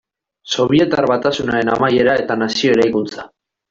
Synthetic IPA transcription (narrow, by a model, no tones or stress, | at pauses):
so̞βie̞t̪arβat̪asunaɾe̞na̰maje̞ɾae̞t̪anasio̞eɾajkunt͡sḁ